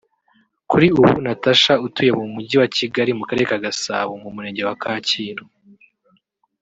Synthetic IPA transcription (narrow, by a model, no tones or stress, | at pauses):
kuɾiuβṵnataʃautuje̞mumuɟiwaciɡaɾimukaɾe̞ɾekaɡasa̰ːβomumuɾe̞ːɲɟe̞wakʰaːciːno